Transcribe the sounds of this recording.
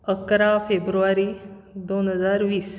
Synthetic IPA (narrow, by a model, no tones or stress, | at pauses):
əkɾafebɾuʋaɾiːd̪onɦəd͡zaɾʋiːs